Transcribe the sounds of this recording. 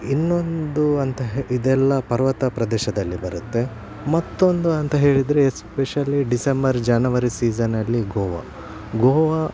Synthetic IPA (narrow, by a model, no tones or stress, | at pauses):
inːo̞nd̪uɐnt̪ɐɦid̪ɛlːɐpɐɾʋɐt̪ɐpɾɐd̪ɛːʃɐd̪ɐlːibɐɾut̪ːe̞ | mɐt̪ːo̞nd̪uɐnt̪ɐɦe̞ːɭid̪ɾespeʃɐlːiɖisembɐɾd͡ʒaːnɐʋɐɾisiːd͡ʒɐnːɐlːiɡoːʋɐ̰ | ɡoːʋɐ